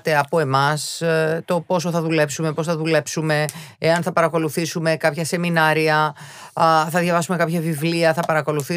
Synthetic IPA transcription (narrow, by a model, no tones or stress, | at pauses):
t̪e̞ɐpo̞e̞mɐst̪o̞po̞so̞θɐðule̞psume̞po̞sθɐðule̞psume̞eɐnθɐpɐɾɐko̞luθisume̞kɐpçɐse̞minɐɾiɐ | θɐðʝɐvɐsume̞kɐpçɐvivliɐθɐpɐɾɐko̞luθi